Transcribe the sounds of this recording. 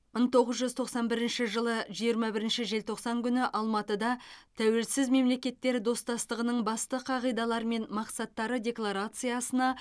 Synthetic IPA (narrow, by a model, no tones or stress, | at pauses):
məɴt̪ʰo̞ʁəzʒʏzt̪ʰo̞qsɑnbɪɾɪnʃɪʒəlˠəʒijəɾmɑbɪɾɪnʃɪʒe̞lt̪ʰo̞qsɑŋkʲʰʏnɪʔɑlˠmɑt̪əd̪ɑt̪ʰæwe̞lsɪzme̞mle̞kʲe̞t̪ːe̞ɾd̪o̞st̪ɑst̪əʁənəɴbɑst̪əqʰɑʁijd̪ɑlˠɑɾme̞nmɑqsɑt̪ːɑɾəd̪ʲe̞klˠaɾat̪sɨjɑsənɑ